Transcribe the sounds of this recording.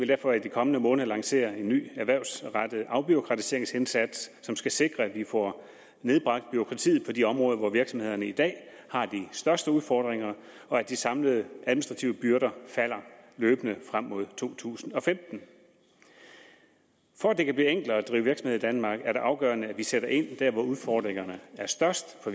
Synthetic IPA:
eld̥æɐfɒ̽id̥ikʰɒ̽mənəmɔ̽ːnð̩ˠlɑ̈ŋse̝̰ːɐe̝nːy̰ːæɐʋæɐʊsʁɑd̥əð̩ˠʔɑ̈ʊb̥yo̝kʰʁɑ̈t͡sʰi̥se̝ɐ̰eŋsensæd̥sːɒ̽msɡ̥æse̝ɡ̥ʁɐæd̥ʋifɒ | ne̝ð̞ˠb̥ʁɑ̈ɡ̥̚d̥̚b̥yʁo̝kʰʁɑ̈t͡sʰḭːð̩ˠpʰɒ̽diɒ̽mʁɔ̽ːðˠɐʋɒʋiɐɡ̥sɒmhe̝ð̞̰ˠɐnəid̥ɛ̰ː | hɑ̈d̥isd̥ɶɐsd̥əuðˠfɒːd̥ʁeŋɐ | ɒ̽æd̥isɑ̈mləð̞ˠəʔæðˠminisd̥ʁɑt͡sʰiʊəb̥yɐɾɐfæl̰ɐløːb̥ənəfʁam̰ːo̝ð̞̰ˠt͡sʰo̝̰ːt͡sʰṵːsn̩ɒ̽femd̥n̩ | fɒæd̥e̝kʰæb̥liːeŋ̰ɡ̥l̩æd̥ʁḭːʊʋiɐɡ̥sm̩e̝ðˠid̥ænmɑ̈ːɡ̥æɐɾe̝ʔɑ̈ʊɡ̥ɶːɐnəæʋiseɾ̥ɐʔe̝n̰d̥æɐʋɒuðˠfɒ̰ːd̥ʁeŋɐnəæɐsd̥ɶɐsd̥fɒ̽

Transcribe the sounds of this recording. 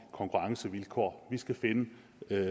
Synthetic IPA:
kʰɒ̽ŋkʰuʁɑ̈ŋsəʋilkʰɒ̰ːʋisɡ̥æfe̝nə

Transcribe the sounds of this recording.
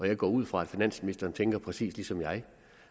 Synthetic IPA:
ɒ̽jɑ̈ɪɡ̥ɒ̰ːuð̞̰ˠfʁɑ̈æd̥finæn̰sminisd̥ɐːnt͡sʰeŋɡ̥ɐpʰʁɛsḭːslisɒ̽mjɑ̈ɪ

